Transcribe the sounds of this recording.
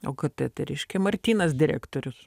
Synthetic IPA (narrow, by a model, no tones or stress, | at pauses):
o̰ːkɐt̪ɐt̪ɐɪɾʲɛɪʃʲkʲɛmɐɾʲt̪ʲiːnɐsd̪ʲɪɾʲæ̰ːkt̪oːɾʲʊs